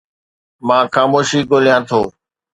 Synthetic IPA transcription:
mãːxaːmoːʃiːɡoːlijãːt̪ʰoː

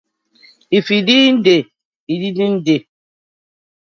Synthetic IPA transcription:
ifidin̩de | ididin̩de

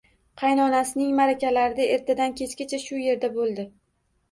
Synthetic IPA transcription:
qʰɑjnɒnasɪnɪŋmaɾakʲalaɾɪd̪ae̞ɾt̪ʰad̪ankʲʰe̞t͡ʃkʲat͡ʃʰaʃʊje̞ɾd̪abolˠd̪ɪ

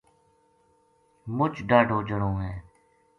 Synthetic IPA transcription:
mʊt͡ʃɖaːɖʱoːd͡ʒəɽõːɦɛ̃ː

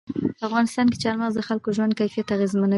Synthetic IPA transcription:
pəafɣɑnɪst̪ɑnk̬e̥t͡ʃɑɾmanzd̪əxalkoʒwand̪̚kajfijat̪aɣezmana

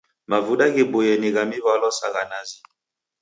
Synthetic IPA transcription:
mavudaɣebojɛniɣamiβalɔsaɣanazi

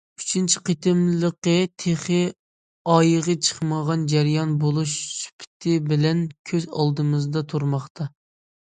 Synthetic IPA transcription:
y̥t͡ʃʰint͡ʃʰɪ̥qʰet̪ʰɪmləqət̪ʰeχɨ | ɑjəʁət͡ʃʰə̥χməʁɑnd͡ʒæɾjɑnbolˠuʃsy̥pʰɪ̥t̪ʰɪbɪlɛnkʲʰøzɑ̰lˠd̪ɨmɨzd̪ɑt̪ʰuɾmɑχt̪ʰɑ

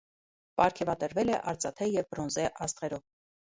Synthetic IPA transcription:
pɑɾkʰɛvɑt̪əɾvɛlɛʔɑɾt͡sʼɑt̪ʰɛjɛvbɾɔnzɛʔɑst̪ʁɛɾɔv

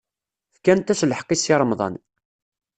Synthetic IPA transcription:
fkænt̪æʃləħqːisiɾˤəmðˤɑ̰n

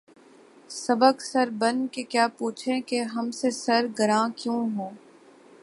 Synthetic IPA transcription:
sɐbəksɐɾbɐnkekjaːpuːt͡ʃʰẽkeɦɐmsesɐɾɡɐɾãːkjũːɦoː

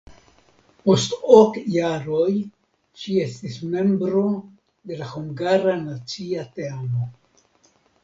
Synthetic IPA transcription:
postokjaɾoj | ʃie̞st̪isme̞mbɾo̞ | d̪e̞lahuŋɡaɾanat͡siat̪eamo

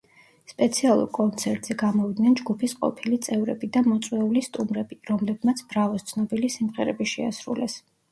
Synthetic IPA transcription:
spʼɛt̪sʰialˠṵɾkʼɔnt̪sʰɛɾt̪ʼz̥ɛɡamɔvid̪nɛnd͡ʒɡupʰisqʼɔ̰pʰilit̪sʼɛvɾɛ̰bid̪amɔt̪sʼwɛulist̪ʼumɾɛb̥iɾɔmlɛb̚mat̪sʰbɾavɔst̪sʰnɔbilisimʁɛɾɛ̰biʃɛa̰sɾṵlɛs

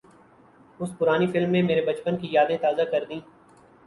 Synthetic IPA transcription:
ʊspʊɾaːnifɪlmːẽmeːɾebɐt͡ʃpənkijaːd̪ẽt̪aːzakɐɾd̪ĩː

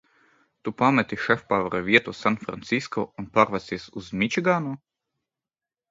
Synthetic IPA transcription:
t̪upamɛt̪iʃɛfpavaɾavʲiɛt̪uːsanfɾa̰nt̪siskɔ̰ːunpaːɾvat̪siɛsuzmʲit͡ʃiɡaːnuː

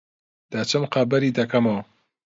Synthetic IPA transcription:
d̪̥aːt͡ʃʰɨmqaːbɐɾiːd̪ɐkʰɐmɐw

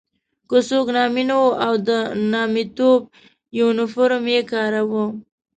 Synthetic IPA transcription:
kosoknɑminwoʔawd̪ənɑmit̪ob̚ | junɪfoɾmjekɑɾawə

